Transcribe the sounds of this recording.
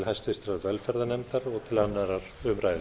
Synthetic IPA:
lhajst̪ɪst̪ɾaðvɛlfɛɾðanɛmt̪aɾɔɣt̪ʰɪlhanːaɾaɾʏmɾajðɪ

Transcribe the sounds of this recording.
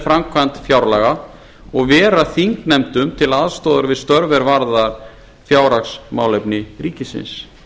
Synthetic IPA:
fɾamkʰvant̪fjawɾlaɣa | ɔɣvɛːɾaθiŋknɛmt̪ʏmt̪ʰɪlaðst̪ɔːðʏɾvɪðst̪œɾvɛɾvaɾða | fjaːwɾaksma̰wlɛpnɪɾiːcɪsɪ̰ns

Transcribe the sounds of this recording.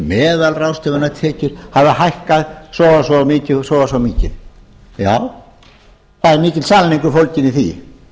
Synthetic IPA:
mɛːðalrawst̪ɛvʏnat̪ʰɛːcʏɾ̥havɪhajhkaðsɔːɣasɔmiːcɪsɔɣasɔmiːcɪ | jaːw | θaðɪɾmiːcɪlsaːlniŋkʏɾfowlcɪnɪθḭ

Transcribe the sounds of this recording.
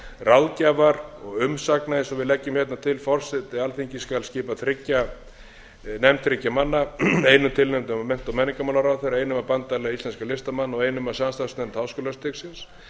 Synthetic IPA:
rawlcavaɾɔɣʏmsaknaɪnsɔvɪðlɛcːʏmhçɛt̪nat̪ʰɪlfɔr̥sɪt̪ɪalθiɲcɪskalscɪːpaθɾɪcːa | nɛmt̪ʰɾɪcːamanːaeːjnʏmt̪ʰɪlnɛmt̪ʏmamɛn̥t̪awmɛniŋkamawlaɾawθejɾaeːjnʏmapant̪alaislɛnskalɪst̪amanːɔɣeːjnʏmasamst̪asnɛmt̪hawskɔːlast̪ɪksɪns

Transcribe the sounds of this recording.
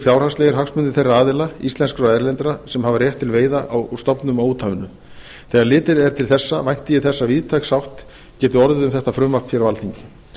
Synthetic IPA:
fjawɾ̥haslejɣɪɾ̥ɦaxsmʏnt̪ɪɾ̥θejraaːðɪlaist̪ɛnskɾɔɛɾlɛnt̪ɾasɛmhavarjɛht̪ʰːɪlveːjðaʔawst̪ɔpnʏmawuːt̪ʰavɪnʏ | θɛːɣaɾlɪːt̪ɪɾɛɾ̥t̪ʰɪlθɛsːavajn̥t̪ɪjɪθɛsːaviːðt̪ʰajxsawht̪ | cɛːt̪ʏɔɾðʏðʏmθɛht̪afɾʏmvar̥pʰçɛɾawvalt̪iɲcɪ

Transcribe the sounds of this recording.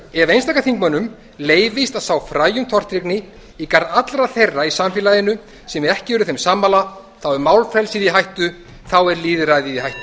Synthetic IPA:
ɛvejnst̪aːkaθiŋkmœnʏm | leːjvɪst̪aðsaːwfɾaːjʏmt̪ʰɔr̥t̪ɾiknɪ | ikaɾðat̪lɾaθejrːaisamfɪːlaðɪnʏ | sɛmɾɛhcɪɛɾʏθɛjmsaːmːala | θawɛɾmaːwlfɛlsiðiɦajht̪ʏ | θawɛɾliːðɾajðiðiɦajht̪

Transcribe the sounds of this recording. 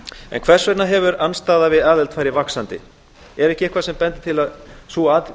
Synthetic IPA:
ɛ̰nkʰv̥ɛr̥svɛɾt̪naɦɛvʏɾanst̪aːðavɪðaːðɛlt̪fajɾɪvaksant̪ɪ̰ | ɛɾɛhcɪɛhkʰvasɛmpɛnt̪ɪ̥t̪ʰɪlaðsuað

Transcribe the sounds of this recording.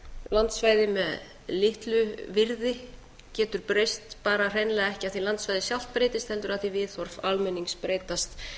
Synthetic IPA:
lant̪svaːjðɪmɛð | lɪht̪lʏvɪɾðɪ | cɛːt̪ʏɾ̥pɾejst̪paːɾar̥ejnlɛːɣaɛhcɪaθilant̪svajðɪsjal̥t̪̚pɾeːjt̪ɪst̪hɛnt̪ʏɾaθivɪðθɔɾ̥falmɛnːiŋkspɾeːjt̪ast̪

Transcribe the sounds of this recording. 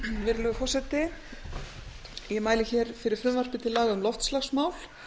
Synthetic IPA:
vɪɾlʏɣʏfɔr̥sɛt̪ɪ | jɛmaːjlɪçɛɾ̥fɪɾɪɾ̥fɾʏmvar̥pɪt̪ʰɪlaːɣaʏmlɔft̪slaxsmaːwl̥

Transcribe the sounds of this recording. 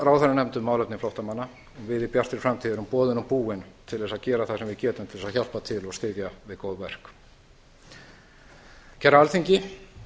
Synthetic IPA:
ɾaːwθaɾanɛmt̪ʏmawlɛp̪tnɪflɔwht̪amanːa | ɔɣvɪðɪpjar̥t̪ɪɾ̥fɾamt̪ʰiðɪɾʏmpɔːðɪnɔmpuːɪnt̪ʰɪlðɛsaðcɛːɾaθasɛmvɪðcɛːt̪ʏmt̪ʰɪlðɛsaðçal̥pat̪ʰɪlɔɣst̪ɪðjavɪðkoːwðvɛr̥k | cʰɛɾaalθiɲcɪ

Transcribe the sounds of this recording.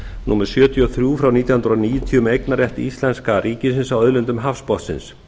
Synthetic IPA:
nuːmɛɾ̥sjœːt̪jɔθɾjuːfɾawniːt̪janhʏnɾaniːjʏt̪ʰiːʏmejknarɛht̪ist̪lɛnskaɾʔiːcɪs̬ɪnsawœðlʏnt̪ʏmɦafspɔht̪sɪ̰ns

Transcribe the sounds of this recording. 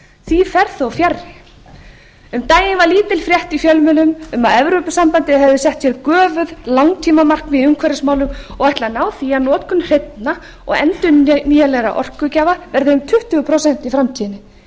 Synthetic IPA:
θifɛɾθowfjarɪ | ʏmt̪aːjɪnvaɾliːt̪ɪlfɾjɛht̪ifjœlmɪlʏmʏmaðɛvɾʏːpʏsampant̪ɪɦɛvðʏsɛht̪sjɛɾðkœːvʏðlawŋt̪ʰiːmamar̥knvɪðʏŋkʰvɛɾɪsmaːwlʏmɔɣajht̪lanaːwθianɔːt̪kʏnr̥ejt̪na | ɔ̰ɣɛ̰nt̪ʏnniːjalɛɣɾa̰ʔɔ̰r̥kʏcaːvavɛɾðɪːmt̪ʰʏht̪ʏɣʏpʰɾosɛn̥t̪ifɾamt̪ʰiːðɪnɪ

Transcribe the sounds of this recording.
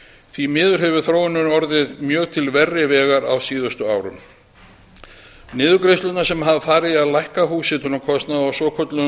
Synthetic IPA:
θvimɪːðʏɾ̥ɦɛvʏ̥θɾoːwɪnʏnɔɾðɪðmjœːɣt̪ʰɪlvɛrːɪvɛːɣaɾa̰wsiːðʏst̪ʏaːwɾʏ̰m | nɪːðʏkɾejst̪lʏt̪nḁsɛmɦavafaːɾɪðaðlajhkaɦuːsɪt̪ʏnʏmkʰɔst̪naðawsɔːkʰɔt̪lʏ

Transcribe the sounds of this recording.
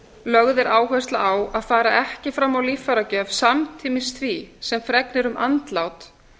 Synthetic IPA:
lœɣðɛɾaːwɦœst̪laawaðfaːɾaɛhcɪfɾamːawliːfaɾacœːvsamt̪ʰiːmɪsθvisɛmfɾɛknɪɾʏmʔa̰nt̪laːwt̪

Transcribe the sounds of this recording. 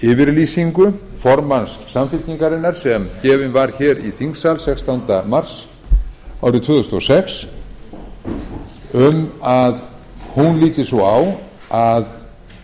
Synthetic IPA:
ɪːvɪɾliːsiŋkʏfɔɾmansːamfɪlt̪niŋkaɾɪnːaɾ̥sɛmcɛːvɪnvaɾ̥çɛːɾiθiŋksalsɛkst̪awnt̪amar̥s | awɾɪt̪ʰvʏːðʏst̪ɔ̰sɛks | ʏmað | hunliːt̪ɪsɔaw | að

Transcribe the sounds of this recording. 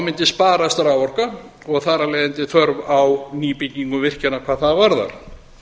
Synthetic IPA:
mɪnt̪ɪspaːɾast̪aɾawɔr̥ka | ɔɣθaɾalɛjðɪnt̪ɪθœɾvawniːpicɲiŋkʏvɪr̥cɛnakʰvaːðθaðvaɾða̰ɾ̥

